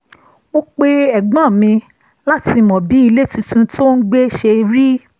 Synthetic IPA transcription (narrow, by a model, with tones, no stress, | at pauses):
o˦k͡pe˦ɛ˨ɡ͡bã˦˨mĩ˧ | la˦ti˧mɔ̃˨bi˨˦i˧le˦tũ˧tũ˧tʰo˦n̩˦ɡ͡be˦ʃe˧ɾi˦